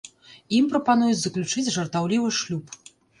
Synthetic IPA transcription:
impɾɐpan̪ujut͡sʲzɐklʲut͡ʂɨt͡sʲʐɐrt̪awlʲivɨʂlʲup

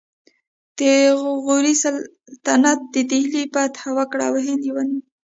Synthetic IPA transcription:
d̪̥əɣuɾisal | t̪anat̪̚d̪əd̪ihlipat̪hawakɽa̰wɦend̪iwani

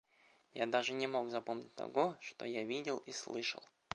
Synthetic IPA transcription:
jad̪aʐɨnʲɪmo̞ɡzɐpomnʲɪt̚ʲt̪ɐ̰ɡoʂt̪o̰javʲidʲɪlˠislˠɨʂə̰lˠ

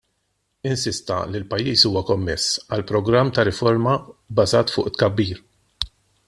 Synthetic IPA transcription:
ɪnsɪst̪ɐ̰lilpɐjːiːsuːwɐkɔmːɛsːɐlpɾɔɡɾɐmːt̪ɐɾɪfɔɾmɐbːɐzɐːt̪fʊ̰ːʔɪt̪ːkɐbːiːɾ

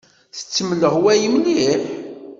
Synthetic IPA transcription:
θə̥t͡sːəmələhwæjəmliħ

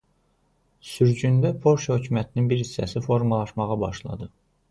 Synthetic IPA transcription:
syɾd͡ʒynd̪æpʰo̞ɾʃhø̞cʰymæt̪ʰininbiɾhisːæsifo̞ɾmɑlˠɑʃmɑʁɑbɑʃlˠɑ̰d̪ɯ

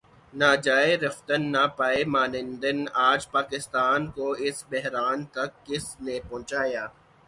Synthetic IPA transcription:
naːd͡ʒaːeɾɐft̪ənːapaːemaːnɪ̃nd̪ənaːd͡ʒpaːkɪst̪aːnkoɪsbɛɦɾaːnt̪ɐkːɪsnepɔ̃ːt͡ʃaːjaː

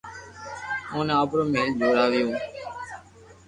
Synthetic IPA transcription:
õːneaːpɾõːmeːld͡ʒoːɾaːʋɪjõː

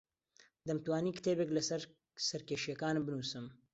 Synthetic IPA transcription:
d̪ɐmt̪waːniːkt̪ʰeːbeklɐsɾ | sɐɾkeːʃjɐkaːnɨbɨnuːsɨm

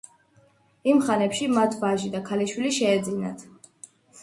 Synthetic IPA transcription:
imχanɛpʃimat̪ʰvaʒid̪akʰaliʃwiliʃɛːd̪zina̰t̪ʰ

